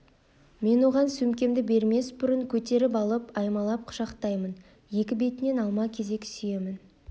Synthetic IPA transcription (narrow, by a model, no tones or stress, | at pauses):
me̞nwo̞ʁɑnsʉmkʲe̞md̪ɪbe̞ɾme̞sbʊɾəŋkʲʰɵt̪e̞ɾɪpɑlˠəpɑjmɑlˠɑp̚qʰʊ̥ʃɑqt̪ɑjmən | je̞kʲɪbe̞t̪ɪne̞nɑlˠmɑkʲʰe̞ze̞kʲsʏje̞mɪn